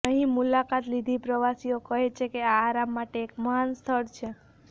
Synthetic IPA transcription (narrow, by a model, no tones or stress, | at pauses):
əɦĩmulakat̪lid̪ʱipɾəʋasijokəɦet͡ʃʰekeaːɾamːaʈeːkməɦanst̪ʰəɽt͡ʃʰe